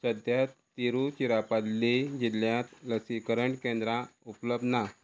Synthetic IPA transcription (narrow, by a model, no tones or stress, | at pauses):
səd̪ʱjat̪ː | iɾut͡ɕiɾapalled͡ʑilːjãt̪ləsikəɾəɳʈkẽnd̪ɾãupləb̚d̪na